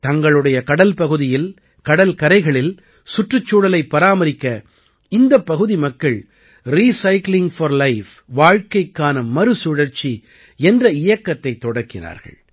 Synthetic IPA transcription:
t̪ɐŋɡɐɭɯɽɐjɐkɐɽɐlpɐɣɯðɪjɪl | kɐɽɐlkɐɾɐɪɣɐɭɪl | sʊʈrɯt͡ʃːuːɽɐlɐɪpːɐɾaːmɐɾɪkːɐ | ɪnd̪ɐpːɐɣɯðimɐkːɐɭ | ɾiːsɐɪklɪŋfɐɾlɐɪf | ʋaːɻkɐɪkːaːnɐmɐɾɯsʊɽɐɾt͡ʃːi | ɛndrɐɪjɐkːɐt̪ːɐɪt̪ːɔɽɐkːɪna̰ːɾɣɐ̰ɭ

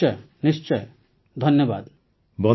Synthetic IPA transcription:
ɔj | nist͡ʃɔj | d̪ʱʌnjʌba̰d̪ | bɔ

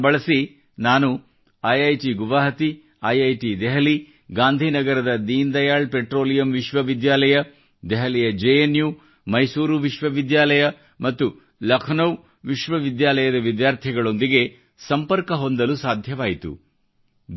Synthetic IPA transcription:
bɐɭɐsi | naːnu | ɐjɐjʈiɡuʋaːɦɐt̪i | ɐjɐjʈid̪ɛɦɐli | ɡaːnd̪ʱinɐɡɐɾɐd̪ɐd̪iːnd̪ɐjaːɭpeʈɾo̞ːlijɐmʋiʃʋɐʋid̪jaːlɐjɐ | d̪ɛɦɐlijɐd͡ʒeenjuː | mɐjsuːɾuʋiʃʋɐʋid̪jaːlɐjɐ | mɐt̪ːu | lɐkʰɐnɐw | ʋiʃʋɐʋid̪jaːlɐjɐd̪ɐʋid̪jaːɾt̪ʰiɐɡɐɭo̞nd̪iɡe̞ | sɐmpɐɾkɐɦo̞nd̪ɐlusaːd̪ʱjɐʋaːjit̪ṵ

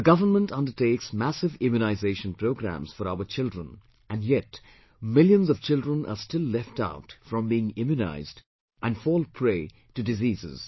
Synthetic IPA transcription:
əɡʌvənmə̃ntʌ̃ndə˞teːksmæsɪvɪ̃mjunaɪzeɪʃə̃npʰɾoʊɡɾæ̰̃mz̥fɔɾaʊəɾt͡ʃɪldɹə̃n | ʔæ̃njɛt | mɪljə̃nzʌv̥t͡ʃɪldɹə̃nʔə̰stɪlːɛfta̰ʊtfɹʌ̃mbiɪ̃ŋɪ̃mjuna̰ɪzd | ʔæ̃nfɔːlˠpʰɹeː | tɨdɪziːzɪ̰z̥

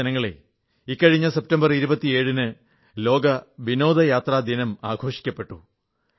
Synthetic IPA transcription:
ɐnɐŋːɐɭḛ | ikːɐɻiɲːɐsep̚tɐmbɐriɾubɐt̪ːie̞ːɻunɨ | lo̞ːɡɐʋino̞ːd̪ɐjaːt̪rɐːd̪inɐmaːɡʱo̞ːʂi̥kʲːɐpːe̞ʈːu

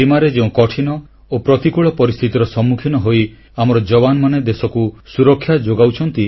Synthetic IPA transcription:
imaɾed͡ʒeũkɔʈʰinɔ | opɾɔt̪ikuɭɔpɔɾist̪ʰit̪iɾɔsɔmːukʰinɔɦoi | amɔɾɔd͡ʒɔbanɔmaned̪esɔkusuɾɔkʰːjad͡ʒoɡawt͡ʃʰɔnt̪i

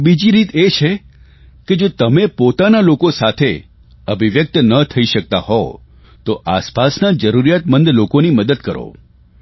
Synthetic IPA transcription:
bid͡ʒiɾit̪et͡ʃʰe | ked͡ʒot̪əmepot̪analokosat̪ʰe | əbʱiʋjək̚t̪nət̪ʰəiʃək̚t̪a̰hɦɔo | t̪oʔaspasnad͡ʒəɾuɾijat̪mənd̪lokoniməd̪əd̪̚kəɾo̰

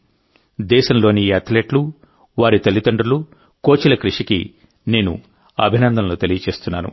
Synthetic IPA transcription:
d̪ɛːʃɐmlo̞ːniɐt̪ʰleːʈlu | ʋaːɾit̪ɐlːit̪ɐɳɖɾulu | ko̞ːt͡ʃilɐkɾuʂiki | ne̞ːnṵ | ɐbʱinɐnd̪ɐmloːt̪elijɐt͡ʃe̞ːst̪unːaːnṵ

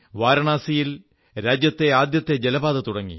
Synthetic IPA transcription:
ʋaːɾɐɳaːsijil | ɾaːd͡ʑjɐt̪ːe̞aːd̪jɐt̪ːe̞d͡ʑelɐbaːðɐt̪uɽɐŋːḭ

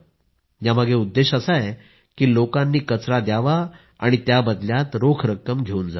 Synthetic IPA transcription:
jaməɡeud̪ːeɕəsaje | kiːlokanːiːkət͡sɾad̪jaʋa | a̰ɽ̃it̪jabəd̪ljat̪ɾokʰɾəkːəmɡʱeuːnd͡za̰

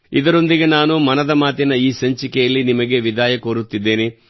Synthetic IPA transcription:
id̪ɐɾo̞nd̪iɡe̞naːnumɐnɐd̪ɐmaːt̪inɐiːsɐɲt͡ʃikɛjɐlːinimɐɡe̞ʋid̪ʱaːjɐkoːɾut̪ːid̪ːe̞ːni

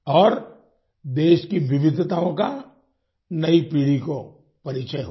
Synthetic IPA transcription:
ɔːɾ | d̪eːʃkiʋɪʋɪd̪ʱt̪aːõka | nɐipiːɽiko | pɐɾit͡ʃəjɦo

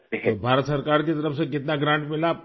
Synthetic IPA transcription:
bʱaɾət̪səɾkaɾt͡ɕit̪əɾəfsəkɪt̪naɡɾãɳʈmɪla

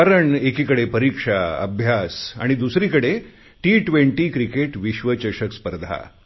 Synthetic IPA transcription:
aɾəɳekiːkəɽepəɾikʂaə̰bʱjasa̰ɽ̃id̪usɾiːkəɽe | ʈiʈʋeɳʈiːkɾikeʈʋiɕʋət͡ɕəɕəkspəɾd̪ʱa̰

